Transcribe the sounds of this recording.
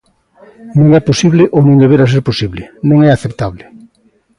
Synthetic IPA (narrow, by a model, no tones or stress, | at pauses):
nõŋɛposiβleʔonõŋd̪eβeɾas̬eɾposiβlenõŋɛaθep̚t̪aβle